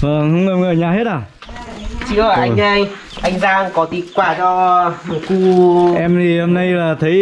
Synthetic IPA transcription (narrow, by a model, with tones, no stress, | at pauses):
vəː˨˩hə˧wŋ͡mə˨˧˩wŋ͡məː˧˩ɲaː˨˩ɦe˦˥t̚aː˨˩ | t͡ɕɨ̰˧˥əəː˨˩ʔa˧ʔə˧j | ʔa˧jŋ̟zaː˧ŋkɔ˨˦t̪i˨˩kwaː˧˩t͡ɕɔ˧˨ku˧ʔɛ˧mzi˨˩ho˧mna˧jlaː˨˩t̪ʰə˨˦